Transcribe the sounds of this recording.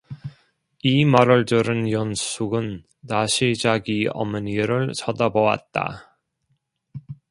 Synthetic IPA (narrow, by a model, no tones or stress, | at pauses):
imʌɾʌɭdɯɾɯnjʌns͈ʰuɡɯnː | aɕʰid͡ʑaɡiʌ̰mɯniɾɯɭsʰʌdʌbʌwa̰t̚t͈a̰